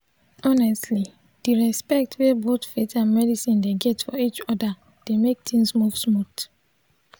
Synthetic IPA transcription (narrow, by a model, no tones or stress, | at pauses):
ɔnɛstli | d̥iɹɛspɛk̚tʰwebotfetãnmɛdisĩndeɡɛtfɔit͡ʃɔda | d̥emek̚tʰĩnsmufsmut